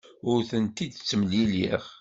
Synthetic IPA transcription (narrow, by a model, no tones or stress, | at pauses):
ʊɾθənt̪id̪t͡sːəmliliʁ